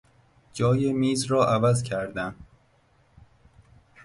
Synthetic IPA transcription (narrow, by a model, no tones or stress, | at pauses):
d͡ʒɒːjemiːzɾɒːʔævæzcʲʰæɾd̪æm